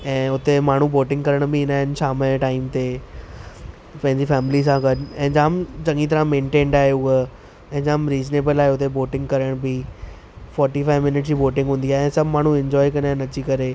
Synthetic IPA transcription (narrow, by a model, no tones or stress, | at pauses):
ɛ̃ːʊt̪emaːɳ̤uboːʈɪ̃ŋɡkɐɾəɽ̃bʱɪɪnaːɦɪnʃaːməʈaːɪmt̪e | pɐ̃ɦɪɲd͡ʑifɛːmɪlis̬ãɡɐɖɛ̃ːɪ̃d͡ʑaːmd͡ʑɐ̃ŋɡit̪̬ɐɾãmẽːɳʈẽːɳɖaːɦjuə | ɛ̃ɦɪ̃d͡ʑaːmɾiːzneːbəlaːeʊt̪eboːʈɪ̃ŋɡkɐɾəɽ̃bʱi | fɔːɾʈifaːɪʋmɪnɪʈ̚d͡ʑiːboːʈɪ̃ŋɡɦũːn̆d̪iaːɦeɛ̃ːsɐbʱmaːɳ̤uɪ̃ɲd͡ʑɔːikɐ̃naːɪnɐt͡ɕikɐɾe